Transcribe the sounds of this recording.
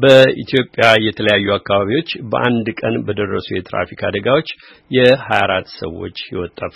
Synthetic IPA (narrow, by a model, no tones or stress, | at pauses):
bəit̪ʰjo̞pʼjajɛt̪ʰələjajːuakːaβaβiwo̞t͡ʃːbəʔand̪kʼənbəd̪ərːəsujɛt̪ɾa̰fikʰa̰d̪əɡawot͡ʃː | jɛhajaɾat̪ːsə̰wːo̞̰t͡ʃːjɪwɔt̪ʼːaf